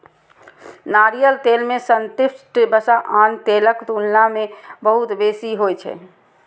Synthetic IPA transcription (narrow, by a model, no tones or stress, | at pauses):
naːɾijəlt̪elmẽsənt̪ɪsʈbəsaʔaːnt̪eləkt̪unnamẽbəɦut̪beːsiɦojt͡ʃʰɛ̰